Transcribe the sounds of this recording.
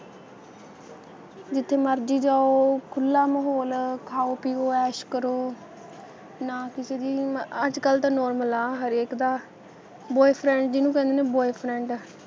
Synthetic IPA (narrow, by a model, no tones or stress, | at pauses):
d͡ʒɪt̪ʰːeːməɾd͡ʒiːd͡ʒaːoːkʰʊlːaːməɦoːlkʰaːoːpiːoːɛːʃkəɾoː | naːkɪseːd̪iːəd͡ʒkəlt̪ãːnɔːɾməlaːɦəɾeːkd̪aː | bɔːepʰɾɛ̃ːɳʈd͡ʒɪnũːkɛ̃nd̪eːneːbɔːepʰɾɛ̃ːɳʈː